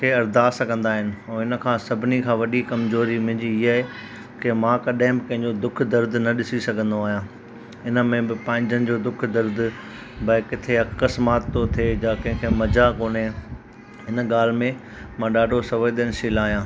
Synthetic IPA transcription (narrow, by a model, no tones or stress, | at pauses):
kʰeːɐɾd̪aːsɐɡʱɐ̃nd̪aːɦɪnɪ̆ɛ̃ːɪnə̆kʰãːsɐbʱɪnikʰãːʋɐɗikɐmzoːɾimʊ̃ɦɪ̃ɲd͡ʑiɪɦaɦe | kɪmãːkɐɗəɦɪ̃bɪkɐ̃ɦɪ̃ɲd͡ʑod̪ʊkʰd̪ɐɾd̪nɐɗɪsisɐɡʱə̃nd̪oaːɦijãː | ɪnəmẽbɪpãːɪ̃ɲd͡ʑənɪ̆d͡ʑoːd̪ʊkʰd̪ɐɾd̪ | bɐɪkɪt̪ʰeɐəsmaːt̪ːot̪ʰeːjaːkɐ̃ɦɪ̃kʰemɐd͡ʑakoːne | ɪnə̆ɠaːl̤mẽ | mãɗaːɖʱosɐʋəjd̪ənɪ̆sɪːlaːɦijãː